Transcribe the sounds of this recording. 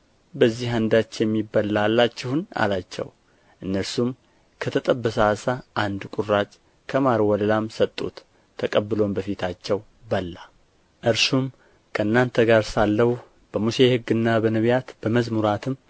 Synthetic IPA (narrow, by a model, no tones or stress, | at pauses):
bəzːiɦand̪at͡ʃːjɛmːibːalalːat͡ʃːɪhna̰lat͡ʃːɛ̰w | ʔɨnːəɾsum | kʰət̪ʰət̪ʼəbːəsasaʔand̪kʷʼurat͡ʃʼ | kʰəmaɾwɔləlamsət̪ʼːṵt̪ʰː | əkʼəbːɨlo̞mbəfit̪ʰat͡ʃːɛw | bəlːa | ʔɨɾsum | kʰəɨnːant̪ʰəɡaɾsalːəhu | b̥əmuse̞hɨɡːɨnːabənəβjat̪b̥əməzmuɾat̪ʰɨm